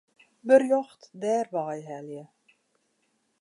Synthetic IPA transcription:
bərjɔxtdɛːrʋɑːjɦɛljə

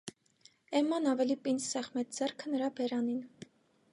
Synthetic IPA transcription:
ɛmɑnɑvɛlipʼinsɛχmɛt͡sʰd͡zɛrkʰənəɾɑbɛɾɑnin

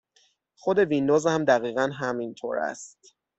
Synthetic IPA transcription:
xo̞d̪e̞vind̪oːzhæmd̪æɣiːɣænɦæmint̪ʰo̰ɾæ̰st̪

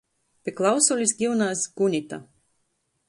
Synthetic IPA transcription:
pʲɛklˠawsulʲisɡʲiwnaːsɡ̥unʲit̪a̰

